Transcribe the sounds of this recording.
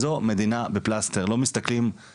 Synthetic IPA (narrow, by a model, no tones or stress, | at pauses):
zo̞me̞d̪inabeplast̪eʁlo̞mist̪aklim